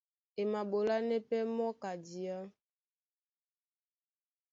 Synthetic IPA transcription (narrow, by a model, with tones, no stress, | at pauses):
e˨ma˨ɓo˨la˦nɛ˦pɛ˦mɔ˦ka˨di˨a˦